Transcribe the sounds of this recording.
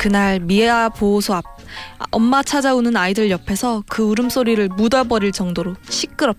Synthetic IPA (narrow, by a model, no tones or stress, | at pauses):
kɯnaɭmieaposʰoap̚ | ʌmːat͡ɕʰad͡ʑaunɯnaidɯɭjʌpʰe̞sʰʌkɯuɾɯms͈oɾiɾɯɭmudabʌɾiɭt͡ɕʌŋdoɾoɕʰik͈ɯɾʌp̚tḁ